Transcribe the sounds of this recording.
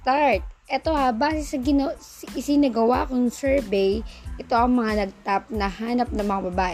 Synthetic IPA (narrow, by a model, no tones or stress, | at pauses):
t̪aɹt̪̚ʔɛt̪o̞habaːsɛsɐɡɪnosʔɪsinɐɡɐwa̰ʔɐkonɐsɛɹbɛjʔɛt̪o̞ʔɐŋmɐŋanɐɡ̚t̪ap̚nɐhaːnɐp̚nɐŋmɐŋabɐbaːʔɛ